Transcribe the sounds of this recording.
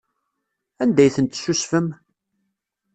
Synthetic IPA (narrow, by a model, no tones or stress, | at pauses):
ænd̪æjθənt̪susfəm